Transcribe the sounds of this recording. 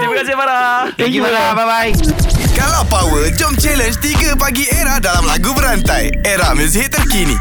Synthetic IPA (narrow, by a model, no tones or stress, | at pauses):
dibəkasebaɾa | akibaɾababaikalapawəd͡ʒɔmt͡ʃɛlənd͡ʒt̪iɡəpaɡieɾadalamlaɡubəɾant̪aj | eɾaməzɦit̪əɾkinḭ